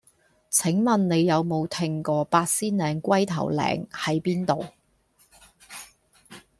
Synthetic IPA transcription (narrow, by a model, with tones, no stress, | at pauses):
t͡sʰɪ˨˥ŋmɐ˨nne˨˧jːɐ˨˧wmo˨˧wt̪ʰɪ˧ŋkɔː˧paː˧t̚siː˥nlɛː˨˧ŋkʷɐ˥jt̪ʰɐ̰˨˩wlɛ̰ː˨˧ŋhɐ˨˥jpiː˥nt̪o˨w